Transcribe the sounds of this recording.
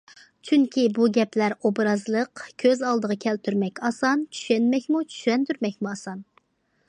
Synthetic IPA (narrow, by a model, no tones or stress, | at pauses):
t͡ʃʰyŋkʲibuɡʲɛplæɾobɾɑzlˠəqkʲʰøzɑlˠd̪əʁɑkʲʰɛlt̪ʰyɾmɛkʲɑsɑnt͡ʃʰy̥ʃɛnmɛkʲmut͡ʃʰy̥ʃɛnt̪yɾmɛkʲmuɑsɑn